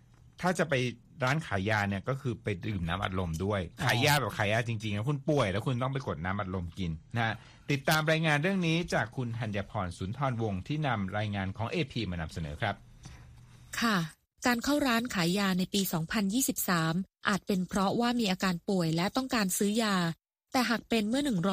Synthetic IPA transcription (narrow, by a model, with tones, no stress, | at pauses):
t̪ʰaː˥˩t͡ɕa˨˩pa˧j | ɾaː˦˥nkʰaː˩˦jːaː˧ni˥˩əkɔː˥˩kʰɯː˧pa˧jdɯː˨˩mna̰ː˦˥mʔa̰˨t̪̚lo˧mdu˥˩əjkʰaː˩˦jjaː˧˩bɛː˨˩p̚kʰaː˩˦jaː˧˩t͡ɕi˧ŋt͡ɕi˧ŋlɛː˦˥kʰu˧npu˨˩əjlɛː˦˥wkʰu˧nt̪ɔ˥˩ŋp̬a˧jko˨˩t̪̚naː˦˥mʔa˨t̪̚lo˧mki˧nːa˧ha˦˥ | t̪i˨˩t̪ːaː˧mɾaː˧jŋaː˧nɾɯ˥˩əŋniː˦˥t͡ɕaː˨˩kʰːu˧nt̪ʰa˧njaː˧pʰɔː˧nsuː˩˦nt̪ʰɔː˧nwo˧ŋt̪ʰiː˥˩na˧mɾaː˧jŋaː˧nkʰɔː˩˦ŋʔeː˧pʰiː˧maː˧na˧msa˧nɤ̰ː˩˦kʰɾa˦˥p̚ | kʰa˥˩ | kaː˧nkʰa˥˩wɾaː˦˥nkʰaː˩˦jaː˧na˧jpiː˧sɔː˩˦ŋpʰa˧njiː˥˩si˨˩p̚saː˩˦mʔaː˨˩t̪̚pe˧npʰɾɔ˦˥waː˥˩miː˧ʔaː˧kaː˧npu˨˩əjlɛ˦˥wt̪ɔ˥˩ŋkaː˧nsɯː˦˥jaː˧ | t̪ɛː˨˩ɦaː˨˩k̚pe˧nmɯ˥˩ɐnɯ˨˩ŋɾɔ˦